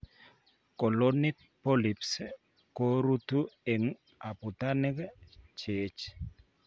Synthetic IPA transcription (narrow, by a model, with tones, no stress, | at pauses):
kɔ˨lo˦nɪ˦ | pɔ˦li˨ps | ko˦ɾu˦tu˦e˨ŋ | a˨pu˨ta˦nɛ˦kt͡ʃe˨t͡ʃ